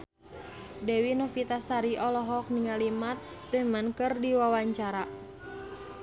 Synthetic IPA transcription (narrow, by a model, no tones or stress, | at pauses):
dɛwinɔfit̪asaɾiʔɔlɔɦɔk̚niŋalimat̪̚d̪̥əmankɨrdiwawaɲt͡ʃaɾa